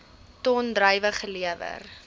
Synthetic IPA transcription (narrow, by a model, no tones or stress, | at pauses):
tɔndrəjvəχəliəvə̰r